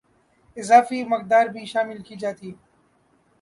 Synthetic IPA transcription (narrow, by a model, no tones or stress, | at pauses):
ɪzaːfiːmɐk̚d̪aːɾbʱiːʃaːmɪlkiːd͡ʒaːt̪iː